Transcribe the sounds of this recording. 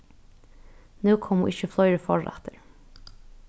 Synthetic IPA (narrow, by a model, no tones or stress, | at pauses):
nʉːkʰɔmhṵːʔɪçəflɔʏɾəfɔ̰ɹʔɛ̰t̪ʰəɾ